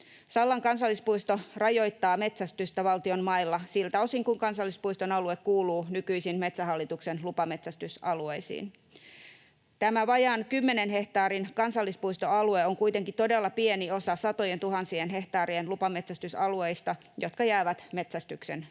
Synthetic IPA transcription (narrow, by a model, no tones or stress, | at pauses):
sɑlːɑŋkɑnsɑlːispuist̪o̞rɑjo̞jt̪ːɑːme̞t̪sæst̪yst̪æʋɑlt̪io̞nmɑilːɑsilt̪æo̞siŋkuŋkɑnsɑlːispujst̪onɑlue̞kkuːluːnykyisinmet̪sæɦɑlːit̪ukse̞nlupɑme̞t̪sæst̪ysɑluejsḭːn | t̪æmæʋɑjɑnkymːe̞ne̞nɦe̞ht̪ɑːɾinkɑnsɑlːispujst̪o̞ɑlueoŋkuit̪e̞ŋkit̪o̞de̞lːɑpienio̞sɑsɑt̪o̞jent̪uɦɑnsienɦe̞ht̪ɑːɾienlupɑme̞t̪sæst̪ysɑlue̞jst̪ɑ | jo̞t̪kɑjæːʋæt̪me̞t̪sæst̪ykse̞̰n